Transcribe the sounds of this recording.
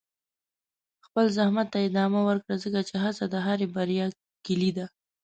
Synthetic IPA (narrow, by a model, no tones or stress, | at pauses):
xpəlzahmat̪ːaɪd̪ɑmawəɾkɽazəkat͡ʃeɦat͡sad̪əɦaɾebaɾjɑ | kɪlid̪a